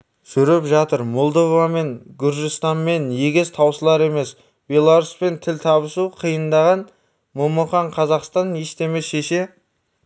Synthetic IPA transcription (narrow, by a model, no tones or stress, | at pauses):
ʒ̥ʏɾɪpʒɑt̪əɾmolˠd̪ovame̞ŋɡʲʏɾʒɪst̪ɑnme̞nje̞ɡʲest̪ʰɑwsəlˠɑɾe̞me̞s | b̥ʲe̞lˠaɾuspe̞nt̪ʰɪlʲt̪ʰɑβəsuqʰijənd̪ɑʁɑn | momuχɑɴqʰɑzɑqst̪ɑnjeʃt̪e̞mesʃe̞ʃe̞